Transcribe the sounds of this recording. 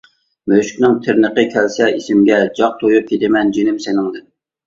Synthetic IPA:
møʃkʲnɪŋt̪ʰɪɾnəqəkʲʰɛlsɛisɪmɡʲɛd͡ʒɑq̚t̪ʰojup̚kʲʰet̪ɪmɛnd͡ʒenɪmsɪnɪŋd̪ɪn

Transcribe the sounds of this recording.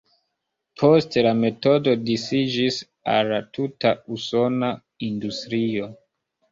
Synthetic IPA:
pʰo̞stelame̞to̞do̞disid͡ʒis | a̰lːatʰutauso̞na | industɾio̞

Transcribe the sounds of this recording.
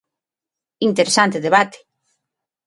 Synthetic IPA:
int̪eɾesant̪eðeβat̪e̥

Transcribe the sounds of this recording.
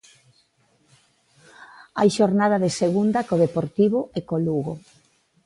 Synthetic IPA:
a̰jʃoɾnaðɐðeseɣund̪akoðepoɾt̪iβʊɛkoluɣo

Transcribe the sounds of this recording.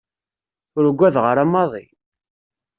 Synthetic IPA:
ʊɾɡʷːæðʁəɾamːɑðˤḭ

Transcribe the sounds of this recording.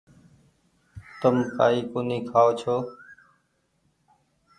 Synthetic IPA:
t̪əmka̰ːiːkoniːkʰaːoːt͡ʃʰoː

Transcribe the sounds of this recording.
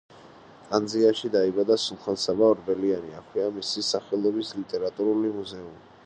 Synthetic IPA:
k̪ʼand̪ziaʃid̪aibad̪asulˠχansabaɔɾbɛlianiakʰwiamisisaχɛlˠɔbislit̪ʼɛɾat̪ʼuɾulimuzɛumi

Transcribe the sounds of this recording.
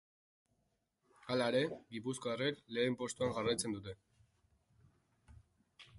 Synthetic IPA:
alaeɾe̞ɡipuskoarekle̞ːmpo̞st̪uaŋɡarajt͡se̞nd̪ut̪̬e̞

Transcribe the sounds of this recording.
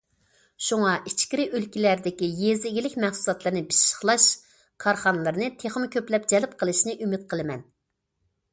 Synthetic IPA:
ʃuŋɑʔit͡ʃkʲiɾɪʔølkʲilæɾd̪ɪkʲijezɪɡʲilɪkʲmɛχsulˠɑt̪lˠɨɾnɨbi̥ʃʃə̥χlˠɑʃ | kʰɑɾχɑnɨlˠɨɾnɨt̪ʰeχmkʲʰøplɛp̚d͡ʒɛlɪp̚qʰəlˠɨʃnɨʔymɪt̪̚qʰəlˠɨmɛn

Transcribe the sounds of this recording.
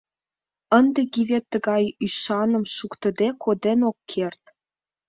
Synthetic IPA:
ənd̪ĕɡiβet̪ːə̆ɡɑjyʃɑnə̆mʃukt̪ə̆d̪ekʰod̪enokːʰert̪

